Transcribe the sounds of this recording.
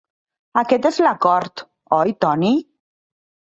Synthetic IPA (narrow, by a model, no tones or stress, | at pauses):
akɛt̪ezlakɔɾt̪ | ɔjt̪ɔni